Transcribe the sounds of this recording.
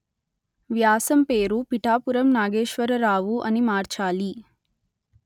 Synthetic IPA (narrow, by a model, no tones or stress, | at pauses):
ʋjaːsɐmpeːɾupiʈaːpuɾɐmnaːɡeːʃʋɐɾɐɾaːʋuʔɐnimaːɾt͡ʃaːli